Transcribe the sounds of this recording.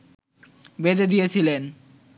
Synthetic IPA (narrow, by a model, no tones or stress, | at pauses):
bed̪ed̪ijet͡ɕʰilen